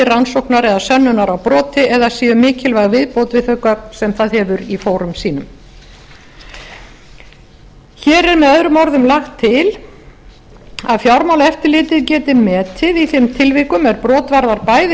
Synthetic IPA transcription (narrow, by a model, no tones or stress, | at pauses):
ɪransowhknaɾɛðasœnːʏnaɾawpɾɔːt̪ɪɛðasiːʏmɪːcɪlvaɣvɪðpowt̪vɪðhœkaɾsɛmθaðhɛvʏɾifoːwɾʏmsiːnʏm | çɛːɾɛɾmɛðœðɾʏmɔɾðʏmlaxt̪ʰːɪl | aðfjawɾmawlɛft̪ɪɾlɪːt̪ɪðcɛːt̪ɪmɛːt̪ʰɪðiθɪmt̪ʰɪlviːkʏmɛɾpɾɔːt̪vaɾðaɾpaːjðɪ